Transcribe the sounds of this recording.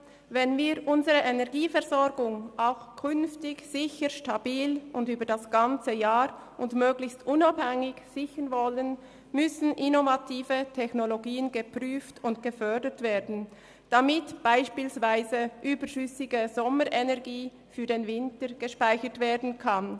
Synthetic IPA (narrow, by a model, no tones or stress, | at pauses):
vɛnviːʁʔʊnzəʁəʔenɛʁɡiːfɛʁzɔɹɡʊŋʔaʊxkʰʏnftɪçz̥ɪçəʃtabiːlʊndyːbədasɡ̥ant͡səjaːɾʔʊndmøːɡlɪçstʔʊnabhɛŋɪçz̥ɪçənvɔlən | mʏsn̩ʔɪnovatʰiːvətʰɛxnoloɡiːənɡəpʁyːftʊntɡ̥əfœɐdətv̥eːɐdn̩ | d̥amɪtb̥aɪʃpiːlsvaɪzəʔyːbəʃʏsɪɡəzɔməɾʔɛnɛɐɡiː | fyːdenvɪntəɹɡ̥əʃpaɪçətveːɐdn̩kʰan